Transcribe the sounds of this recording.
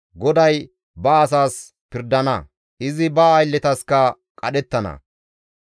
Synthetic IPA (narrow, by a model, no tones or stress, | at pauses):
ɡɔd̪ɐj | bɐːs̬aːs | pɪɾd̪ɐnɐ | ʔɪzɪbɐːjlːɛt̪ɐskɐ | kʼɐɗɛt̪ːɐnɐ̰